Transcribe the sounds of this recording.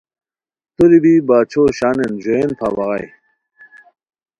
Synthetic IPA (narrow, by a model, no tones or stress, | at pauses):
t̪uɾibibaːt͡ɕʰoːɕaːnend͡ʑoenp̪ʰaːbɐʁɐ̰j